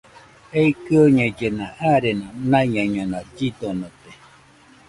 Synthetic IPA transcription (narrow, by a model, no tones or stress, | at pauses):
eikɯoɲed͡ʒenãʔaɾenãnaiɲãɲãnãd͡ʒid̪onot̪e